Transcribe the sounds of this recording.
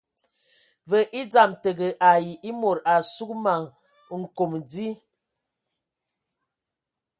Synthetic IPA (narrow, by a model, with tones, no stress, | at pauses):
və˨ʔi˦d͡za˨mtə˨ɡə˨ʔa˨ji˨ʔi˦mo˨ɾa˨su˦kma˨ŋ | ŋ̩˨ko˨md͡zi˦